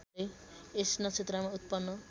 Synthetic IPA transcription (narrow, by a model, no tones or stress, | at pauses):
eesnʌt͡sʰet̪ɾamaut̪̚pʌnːʌ